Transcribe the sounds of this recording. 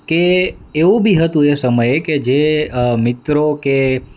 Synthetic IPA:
keeũbʱiɦət̪ũesəməjeked͡ʒemɪt̪ɾoke

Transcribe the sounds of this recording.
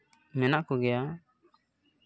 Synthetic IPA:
mɛnaʔkɔɡɛja

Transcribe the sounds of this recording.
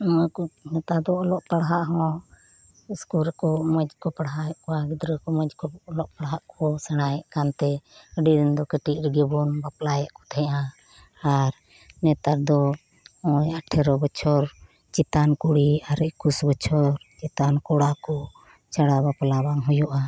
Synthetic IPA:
kɔnɛt̪aɾd̪ɔɔlɔʔpaɽɦaʔɦɔ̃ | iskuɾkɔməd͡ʒkɔpaɽɦaɛʔkɔaɡid̪ɾəkɔməd͡ʒkɔːlɔʔpaɽɦaʔkʰɔsɛɽ̃ajɛʔkant̪ɛəɖiɾnd̪ɔkəʈiɾɛɡɛbɔnbaplajɛʔkɔ̥t̪ʰɛʔã | aɾ | nɛt̪aɾd̪ɔ | ɔjaʈʰɛɾɔbət͡ʃʰɔɾ | t͡ʃit̪ankuɽiaɾəʔkusbət͡ʃʰɔɾt͡ʃit̪ankɔɽakɔ | t͡ʃaɽabaplabaŋɦɔjɔʔa

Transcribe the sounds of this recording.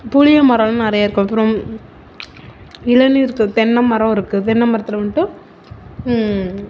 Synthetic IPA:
puɻɪjɐmɐɾɐlɐ̃nɐɾɐjaːɪɾɯkːʊ̃ɐpːɪɾɔ̃ | ɪlɐniɪɾɯkːɯt̪ɛnːɐmɐɾɐ̃ɪɾɯkːɯt̪ɛnːɐmɐɾɐt̪ːɪlɐʋɐɳʈːɯ

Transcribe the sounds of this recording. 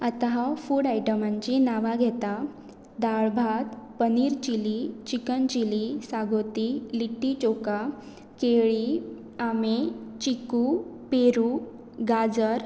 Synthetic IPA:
at̪aɦafuːɽajʈəmaɲt͡ɕinaʋaɡʱɛt̪a | d̪aɭbʱat̪pəniɾt͡ɕilit͡ɕikənt͡ɕilisaɡʱot̪iliʈːit͡ɕoka | keɭi | amet͡ɕikupeɾu | ɡad͡zəɾ

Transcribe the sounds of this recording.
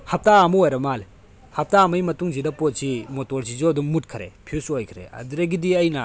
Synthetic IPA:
hɐp̚taːmɐojɾɐmal | hɐp̚taːmɐjmɐtuŋzidɐpot̚simotoɾsizoɐduŋmut̚kʰɐɾḛpʰiusojkʰɾḛɐ̰duɾɐɡidiɐjnɐ

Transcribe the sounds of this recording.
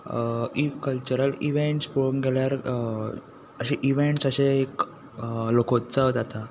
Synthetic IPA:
ikəlt͡ɕuɾəliʋeɳʈspoɭunɡeljaɾ | əɕeʔiʋeɳʈsəɕeːk | lokot̪t͡saəd͡zat̪a

